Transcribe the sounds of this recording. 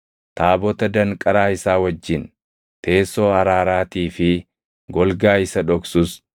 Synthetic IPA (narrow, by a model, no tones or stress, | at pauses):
t̪aːbɔt̪ɐd̪ɐŋkʼɐɾaːɪsaːwɐd͡ʒːɪn | t̪e̞ːsoːɐɾaːɾaːt̪iːfɪ | ɡɔlɡaːɪsɐᶑɔksʊs